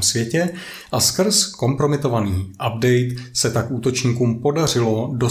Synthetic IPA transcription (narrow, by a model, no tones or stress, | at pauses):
msvjɛcɛ | ʔaskr̩sko̞mpɾo̞mɪt̪o̞vaniːʔab̚dɛjt̪sɛt̪akʔuːt̪o̞t͡ʃɲiːkuːmpo̞dar̝ɪlo̞do̞